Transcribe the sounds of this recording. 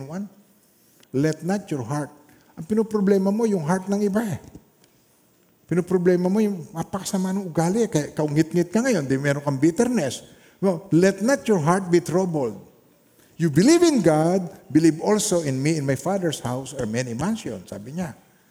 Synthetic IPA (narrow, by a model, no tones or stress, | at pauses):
wan | lɛt̪nɐt̪jɔɹɦaɹt̪̚ | ʔɐŋpɪnopɾoblɛːmɐmo̞jʊŋɦaɹt̪̚nɐŋɪbaʔɛ | pɪnopɾoblɛːmɐmo̞jʊŋmapɐkɐ̥sɐmanɐŋʔʊɡaːlɪkɐjaʔkɐʔʊŋɪt̪̚ŋɪt̪̚kɐŋɐjo̞nd̪ɛmɛːɾoŋkɐŋbit̪ɛɾnɛs | nolɛt̪̚nɐt̪jɔɹɦaɹt̪̚bit̪ɾobold̪̚ | jubɪlivɪnɡad̪̚bɪlivolsoɪnmiɪ̃nmajfad̪ɛɹshawsɐɹmɛnimansjo̰nsa̰ːbɪɲa